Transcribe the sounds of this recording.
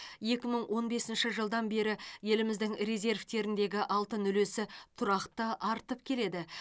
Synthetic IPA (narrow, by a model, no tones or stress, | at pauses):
je̞kʲɪməɴwʔo̞nbe̞sɪnʃɪʒəlˠd̪ɑnbe̞ɾɪje̞lɪmɪzd̪ɪŋre̞zʲe̞rvt̪e̞ɾɪnd̪e̞ɡʲɪʔɑlˠt̪ənʏle̞sɪt̪ʰʊɾɑqt̪əʔɑɾt̪əp̚kʲʰe̞le̞d̪ɪ